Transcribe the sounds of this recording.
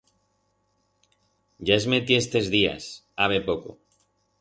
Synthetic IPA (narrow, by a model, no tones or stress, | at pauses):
ʝaezmet̪iest̪e̞zðia̰s | aβe̞po̞ko̰